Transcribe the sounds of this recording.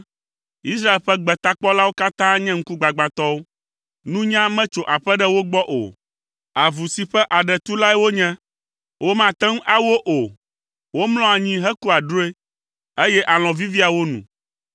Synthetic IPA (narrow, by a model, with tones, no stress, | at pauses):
i˦s̬ɾa˦e˨lɸɛ˦ɡ͡bɛ˨t̪a˦k͡pɔ˦la˦wo˦ka˦t̪ã˦ɲɛ̃˦ŋ̩˦ku˦ɡ͡ba˨ɡ͡ba˨t̪ɔ˦wo˦ | nũ˦ɲã˦mɛ̃˦t͡ʃo˨ʔa˨ɸɛ˦ɖɛ˦wo˦ɡ͡bɔ˦ʔo̰˨ | a˨vu˨si˨ɸɛ˦ʔa˨ɖɛ˨t̪u˦la˦ɛ˦wo˦ɲɛ̃˦ | wo˦mã˨t̪ɛ˦ŋ˦ʔa˦wo˦ʔo˨ | wo˦mlɔ̃˦a˨ɲĩ˦ɦɛ˦ku˦a˨ɖo˦e˦ | e˦jɛ˦ʔa˨l̃ɔ̃˨vi˦vi˦a˨wo˦nṵ̃˨